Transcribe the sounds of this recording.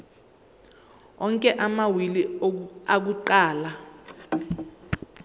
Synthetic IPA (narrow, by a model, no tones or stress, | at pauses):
ɔŋkʼɛʔamawiliak̬uǃaːla